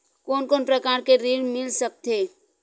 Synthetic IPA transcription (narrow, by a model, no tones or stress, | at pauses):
koːnkoːnpɾɐkaːɾkeɾiːɽmɪlsək̚t̪eː